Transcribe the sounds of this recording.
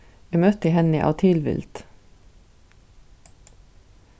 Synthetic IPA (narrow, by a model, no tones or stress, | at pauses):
emœt̪əhɛnɪʔɑ̰ːt̪ʰɪlʋɪ̰lt̪